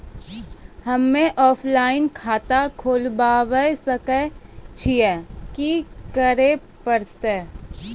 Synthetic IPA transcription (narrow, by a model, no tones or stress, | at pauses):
hɐmːẽʔɔːpʰlaːɪnkʰaːt̪akʰoːlbaːʋəjsəkət͡ʃʰiɛkikəɾe | pəɾt̪eː